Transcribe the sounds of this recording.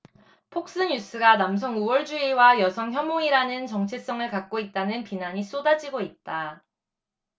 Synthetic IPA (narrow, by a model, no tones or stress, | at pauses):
pʰok̚s͈ɯɲus͈ʰɯɡanams̬ʰʌŋuwʌɭd͡ʑuiwajʌsʰʌŋçjʌmoiɾanɯnt͡ɕʌŋt͡ɕʰe̞s͈ʌŋɯɭkak̚k͈oit̚t͈anɯnpinaɲis͈odad͡ʑiɡoit̚t͈a